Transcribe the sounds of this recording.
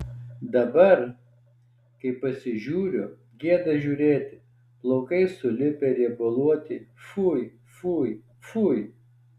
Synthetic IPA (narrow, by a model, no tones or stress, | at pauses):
d̪ɐbɐɾ | kɐɪpɐsʲɪʒʲuːɾʲʊ | ɡʲeɛd̪ɐʒʲuːɾʲeːt̪ʲɪ | plˠoːkɐɪsʊlʲɪpʲɛɾʲiɛbʊlˠuɔt̪ʲɪfuj | fuːj | fuːj